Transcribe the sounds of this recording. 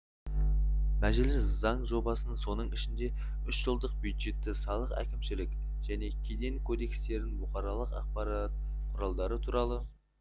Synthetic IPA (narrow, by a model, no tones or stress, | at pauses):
mæʒɪlɪszɑɴʒo̞bɑsənso̞nəɴɪʃɪnd̪e̞ | ʏʃʒəlˠd̪əq̚bjujd̪ʒe̞t̪ːɪsɑlˠəqæ̰kʲɪmʃɪlɪk | ʒ̥æne̞kʲʰed̪e̞ŋkʰod̪e̞kst̪e̞ɾɪnbʊχɑɾɑlˠəqɑ̰q̚pɑɾɑt̪̚ | qʰʊɾɑlˠd̪ɑɾət̪ʰuɾɑlˠə